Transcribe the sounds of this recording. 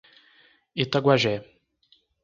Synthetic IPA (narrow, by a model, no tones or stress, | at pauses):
ɪt̪aɡwaʒɛ